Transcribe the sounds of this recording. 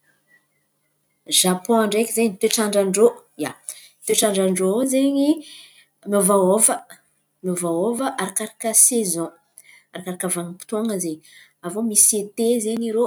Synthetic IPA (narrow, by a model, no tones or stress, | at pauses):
ʒ̥apɔ̃aɳɖ͡ʐekʲizeɲit̪eʈ͡ʂaɳɖ͡ʐaɳɖ͡ʐo | ja̰ | t̪eʈ͡ʂaɳɖ͡ʐaɳɖ͡ʐozeɲi | movaovə | movaovəʔaɾakaɾakʲəsezɔ̃ | aɾakaɾakʲəvaŋipi̥t̪oŋəzeɲ | avomiset̪ezeɲiɾo